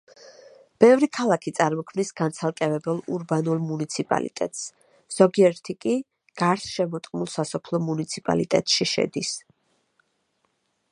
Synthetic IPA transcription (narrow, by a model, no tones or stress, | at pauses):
b̥ɛvɾikʰalˠakʰit̪sʼaɾmɔkʰmnisɡant̪sʰalˠkʼɛvɛbɛlˠṵɾbanulˠmunit̪sʰipʼa̰lḭt̪ʼɛ̰t̪ʼs | z̥ɔɡiɛɾt̪ʰikʼi | ɡ̥aɾsʃɛmɔt̪ʼqʼmulˠsasɔpʰlˠɔmunit̪sʰipʼa̰lit̪ʼɛt̪ʼʃiʃɛ̰d̪is